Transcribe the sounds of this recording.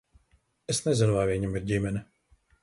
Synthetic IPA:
ɛsnɛzʲɛnʊvaːvʲiːɲʲimiɾɟʲimʲɛnɛ

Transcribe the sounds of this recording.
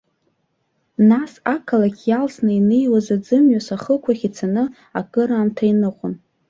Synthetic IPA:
nasakʰalakʲʰjalsnainejwazad͡zɨmɥasaχəkʷʰaχʲit͡sʰanɨ | akʼɨɾaːmtʰainɨqʷʊn

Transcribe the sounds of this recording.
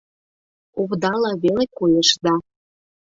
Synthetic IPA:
oβd̪ɑlɑβelekojəʃd̪ɑ

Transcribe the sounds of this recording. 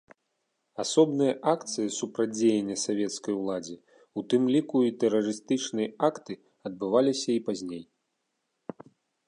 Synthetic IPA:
asɔbnɨjɐʔakt̪sɨjisupɾad͡zʲejɛnʲːɐsavʲɛt̪skɐjwlˠad͡zʲi | ut̪ɨmlʲikuit̪ɛrɐɾɨst̪ɨt͡ʂnɨjɐakt̪ɨ | ɐd̪̚bɨvalʲisʲɐipazʲnʲej

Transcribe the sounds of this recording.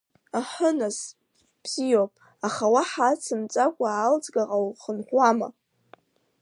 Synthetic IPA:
aħənaz | b̥z̥ijopʼ | aχawaħat͡sʰɨmt͡sʼakʷʼaːlt͡sʼɡaʁawχənħʷama̰

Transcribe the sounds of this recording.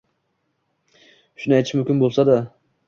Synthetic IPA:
ʃʊnɪajt̪ʰɪʃmʊmkʲɪnbolˠsad̪a

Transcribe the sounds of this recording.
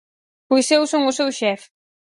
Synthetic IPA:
pojsewsoŋʊsewʃɛf

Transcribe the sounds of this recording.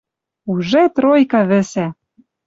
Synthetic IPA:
uʒet̪ɾojkɑβɘ̆sæ

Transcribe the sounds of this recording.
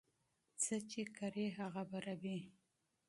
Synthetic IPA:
t͡sət͡ʃekaɾeɦaɣabaɾabi

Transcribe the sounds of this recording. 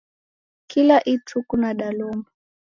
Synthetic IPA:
kilaʔitʰukunaɗalɔma

